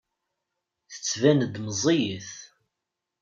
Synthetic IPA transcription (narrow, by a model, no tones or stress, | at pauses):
θə̥t͡sːvænəd̪məzˤijəθ